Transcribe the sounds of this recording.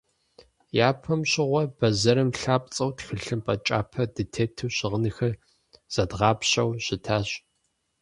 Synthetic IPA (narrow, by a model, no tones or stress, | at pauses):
jaːpʰɐmɕɪʁʷɔb̥ɐzɐɾɨmɬaːpʼt͡sʼɐwtxɨɬɨmpʼɐt͡ʃʼa̰ːpʰɐdɨtʰeːtʰɨwɕɪʁənɨxɐr | z̥ɐdʁɑːpɕɐwɕɪtʰaːɕ